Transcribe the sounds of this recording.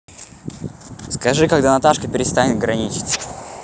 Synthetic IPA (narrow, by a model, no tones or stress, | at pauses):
skɐʐɨkɐɡ̚d̪anɐt̪aʂkəpʲɪɾʲɪst̪anʲɪt̪ɡɾɐnʲit͡ɕɪ̥t̪sʲə